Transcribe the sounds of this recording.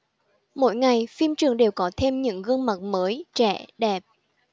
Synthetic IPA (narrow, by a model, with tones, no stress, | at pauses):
mo̰˧˥˨jŋa˨˩jfi˧mt͡ɕɨ˨˩əŋɗe˨˩wkɔ˨˦t̪ʰe˧mɲɨ̰˧˥ŋɣɨ˧əŋma˨˩t̚məː˨˦jt͡ɕɛ̰˧˩˨ɗɛ˨˩p̚